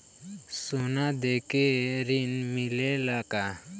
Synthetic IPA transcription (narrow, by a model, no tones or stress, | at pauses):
sunad̪ekeɾinmilelaka